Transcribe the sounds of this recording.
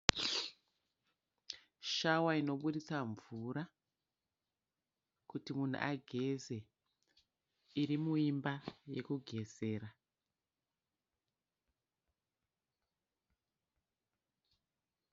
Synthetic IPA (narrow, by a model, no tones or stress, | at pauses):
ʃawaino̞ɓuɗit͡saɱvuɾa | kutimun̤ṵʔaɡʱe̞ze̞ | iɾimuimbaje̞kuɡʱe̞ze̞ːɾa